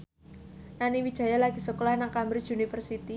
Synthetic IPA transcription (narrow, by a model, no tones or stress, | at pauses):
naniwid̥ʒ̥a̤jalaɡ̥isəkolahnaŋkambɾiunifərsit̪i